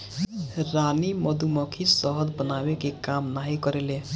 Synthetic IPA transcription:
ɾaniməd̪uməkʰisəɦəd̪bənabekekamnaɦikəɾele

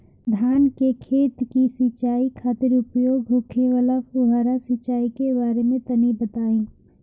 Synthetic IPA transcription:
d̪ʱaːnkekʰeːt̪kisɪt͡ʃaːikʰaːt̪ɪɾʊpjoːɡbʱʊkʰeʋalakʊɦaːɾasɪt͡ʃaːikebaːɾemẽt̪ɐnibət̪aːĩː

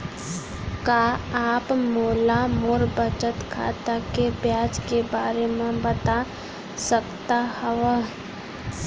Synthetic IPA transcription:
kaaːpmoːlamoɾbət͡ʃət̪kʰa̰ːt̪akebjaːd͡ʒkebaːɾemẽbət̪a | səkt̪ahɛʋə

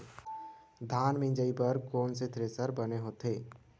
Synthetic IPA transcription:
d̪ʱaːnmɪ̃nd͡ʒəipəɾkoːnset̪ʰɾeːsəɾbəneɦoːt̪eː

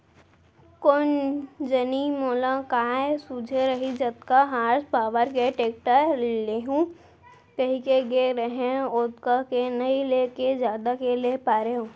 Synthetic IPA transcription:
kond͡ʒənimoːlãkaːesud͡ʒʱeɾəɦid͡ʒɐt̪kaɦaːɾspaːʋəɾkeʈeːk̚ʈəleɦũ | kɐɦĩkeɡeɾəɦẽot̪kakenɐileːked͡ʒjaːd̪akelepaːɾeɦũː

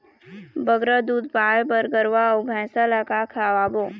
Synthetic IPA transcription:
bəɡɾəd̪uːd̪̚paːebəɾɡəɾʋaʊɡʱɛ̃ːsalakakʰaːwaːboː

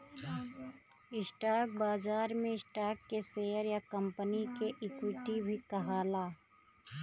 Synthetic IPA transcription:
ɪsʈaːk̚baːzaːɾmẽɪsʈaːkːeseːəɾjakə̃mpənikeʔɪkwɪʈibʱikɐɦaːlaː

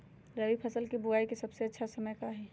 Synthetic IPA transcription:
ɾɐʋipʰɐsəlkebʊaːikesɐbseɐtːʃʰasɐməjkaɦɛː

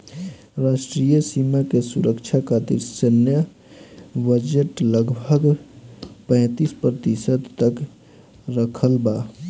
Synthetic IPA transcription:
ɾaʃʈɾijəsimakesuɾəkt͡ʃʰakat̪ḭɾsənjə | bəd͡ʒeʈləɡbʱəɡ | pə̃ːt̪ispɾət̪isəd̪t̪ək | ɾəkʰəlba

